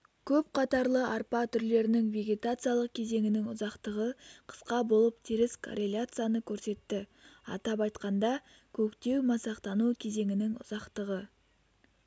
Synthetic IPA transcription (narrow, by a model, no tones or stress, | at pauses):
kʲʰɵpqʰɑt̪ɑɾlˠəʔɑɾpɑt̪ʰʏɾle̞ɾɪnɪŋve̞ɡʲe̞t̪at̪sɨjalˠəq̚kʲʰe̞ze̞ŋʲɪnɪŋʊzɑqt̪əʁəqʰə̥sqɑbo̞lˠəp̚t̪ʰiɾɪskʰo̰ɾʔe̞lʲjat̪sɨjanəkʲʰɵɾse̞t̪ːɪɑ̰t̪ɑpɑjt̪qɑnd̪ɑ | kʲʰɵkt̪e̞wmɑsɑqt̪ɑnukʲʰe̞ze̞ŋɪnɪŋʊ̰zɑqt̪əʁə